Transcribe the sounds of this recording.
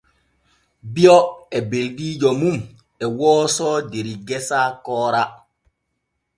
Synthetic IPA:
biɔɛbeldiːd͡ʒɔmum | ɛwɔːsɔːdeɾiɡɛsaːkɔːɾa

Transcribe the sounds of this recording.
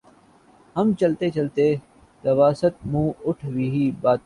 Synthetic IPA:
ɦəmt͡ʃəlt̪eːt͡ʃɐlt̪eː | t̪ɐʋaːsət̪̚mũːʊʈʰʋiːɦiːbaːt̪̚

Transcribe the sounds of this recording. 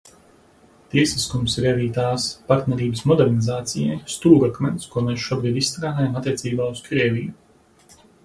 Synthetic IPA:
t̪iɛsiskumsɾɛviːt̪aːspaɾt̪nʲɛɾiːbəsmɔd̪ɛɾnizaːt̪sijɛ̰jst̪uːɡakmɛnt̪skuɔmesʃuɔbɾiːd̪isst̪ɾaːd̪ajamat̪ːʲiɛt̪siːbaːuskɾiɛvʲiju

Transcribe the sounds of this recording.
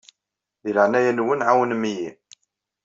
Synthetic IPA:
ðiləʕnæjænwənʕawənmːji

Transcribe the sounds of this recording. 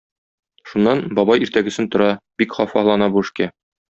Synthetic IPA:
ʃunːɑnbɒbɑjiɾt̪æɡɵ̆sɘnt̪ŏɾɑbikχɒfɑlˠɑnɑbuɘ̆ʃkæ

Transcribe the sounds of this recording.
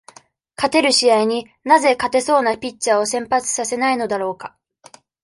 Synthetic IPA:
kat̪e̞ɾɯ̟ɕiaiɲ̟i | naze̞kat̪e̞so̞ːnapʲit͡ɕt͡ɕːao̞sẽ̞mpat͡sɨ̥sase̞naino̞d̪aɾo̞ːka

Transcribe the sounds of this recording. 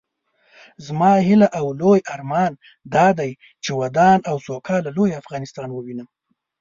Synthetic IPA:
zmɑhɪlaʔawlojaɾmɑn | d̪ɑd̪aj | t͡ʃewad̪ɑnawsokʰɑlalojafɣɑnɪst̪ɑnwəwinə

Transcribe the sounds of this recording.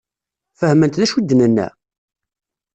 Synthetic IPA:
fəhmənt̪ðæʃud̪ːənənːæ̰

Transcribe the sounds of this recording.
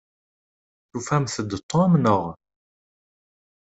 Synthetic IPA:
θufæmθəd̪ət̪ʰˤːoæmnəʁ

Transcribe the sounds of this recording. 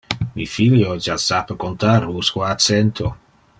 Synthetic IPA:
mifiljod͡ʒasapəkont̪aɾuskwaasɛnt̪ʰo

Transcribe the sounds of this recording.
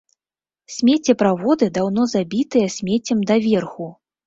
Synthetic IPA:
sʲmʲet͡sʲɛpɾavɔd̪ɨd̪awn̪ɔzabʲit̪ɨjɐsʲmʲet͡sʲːɐmd̪ɐvʲɛrxu

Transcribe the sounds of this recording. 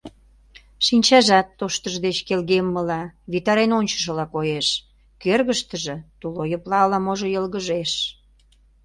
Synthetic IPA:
ʃinʲt͡ɕɑʒɑt̪ːoʃt̪əʒd̪et͡ɕkelɣemːəlɑβit̪ɑɾenonʲt͡ɕə̥ʃ̬əlɑkojeʃ | kørɣəʃt̪əʒĕt̪ulojəplɑlɑmoʒojəlɣəʒeʃ

